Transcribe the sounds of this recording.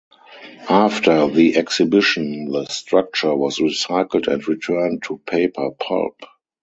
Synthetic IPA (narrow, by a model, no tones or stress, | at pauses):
ʔaftʰə˞ðiʔɛksɪbɪʃə̃nðəstɹak̚t͡ʃə˞wɔsɹisaɪkl̩dɛ̰̃ntɹitʰɜ˞ntʰːupʰeɪpʰə˞pʰɔ̰lp